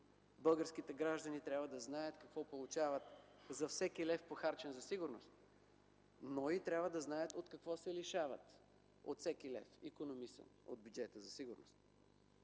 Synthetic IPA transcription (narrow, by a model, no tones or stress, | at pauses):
bɤlˠɡəɾskit̪ɛɡɾaʒd̪ɐnit̪ɾʲabvəd̪ɐznajət̪kɐkvɔpolˠʊt͡ʃavɐt̪ | zɐfsɛk̟ilɛfpoxaɾt͡ʃɛnzɐsiɡʊɾnost̪ | noit̪ɾʲabvəd̪ɐznajət̪ot̪kɐkvɔsɛliʃavɐ̰t̪ | o̰t̪fsɛkilɛ̰fḭkonomisə̰no̰d̪̚bʲjud͡ʒɛt̪əzɐsiɡʊɾno̰st̪̚